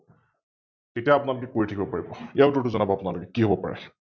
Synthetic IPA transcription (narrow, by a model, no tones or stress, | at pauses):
etiaːpunalokɛkoɹitʰakʰibɔpaɹibɔijaʊtʊtʊzɔnabɔapunalokɛkiɦobɔpaɹɛ̰